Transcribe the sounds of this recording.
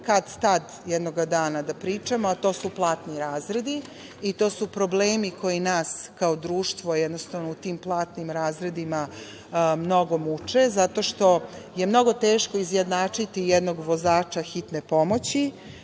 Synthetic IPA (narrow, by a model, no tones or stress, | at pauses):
kad̪t̪ad̪ | jɛd̪no̞ɡad̪aːnad̪apɾiːt͡ʂamoat̪o̞ːsuplˠaːt̪niɾaːzɾe̞d̪iː | t̪oːsupɾobleːmiko̞jinaːskaod̪ɾuːʃt̪ʋojɛd̪no̞st̪aʋnout̪iːmplˠaːt̪nimɾaːzɾe̞d̪ima | mno̞ɡo̞mut͡ʂe̞zat̪o̞ʃt̪o̞je̞mno̞ɡo̞t̪eːʃko̞izjed̪naːt͡ʂit̪ijɛd̪no̞ɡʋo̞zaːt͡ʂaxit̪ne̞po̞mo̞t͡ɕi